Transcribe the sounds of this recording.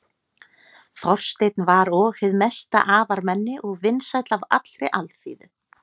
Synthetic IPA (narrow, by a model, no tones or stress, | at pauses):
θɔr̥st̪ejt̪̚nvaɾɔːɣhɪðmɛst̪a̰ʔaːvaɾmɛnːɪʔɔɣvɪnːsajt̪lava̰t̪l̥ɾɪ̰ʔalθḭːðʏ